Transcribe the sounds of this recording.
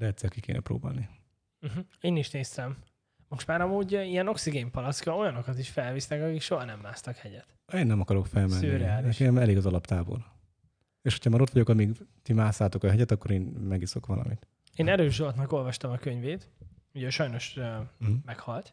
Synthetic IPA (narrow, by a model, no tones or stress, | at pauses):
d̪ɛɛt̪sɛːlkikḛːnɛ̰pɾo̰ːba̰ːlni | m̩ɦ̩eːniʃneːst̪ɛm | mo̞ʃt̪maːɾɒmuːɟijɛno̞ksiɡeːmpɒlɒskɒo̞jɒno̞kɒt̪iʃfɛlvisnɛkɒkikʃo̞ɦɒnɛmːaːst̪ɒkhɛɟɛt̪ | eːnːɛmɒkɒɾo̞kfɛlmɛnøiɾɛaːliɛʃkiɛmɛleːɡɒzɒlɒpt̪aːbo̞̰l | eːʃho̥cʰɒmaːɾo̞t̪ʋɒɟo̞kɒmiɡt̪imaːsaːt̪o̞kɒɦɛɟɛt̪ɒkːo̞ɾeːnmɛɡiso̞kʋɒlɒ̰mit̪ | eːnɛɾøːʒd̪ot̪nɒko̞lvɒʃt̪ɒmɒkø̞ɲveːt̪ | uɟɛʃɒjno̞ʃømɛkhɒlt̪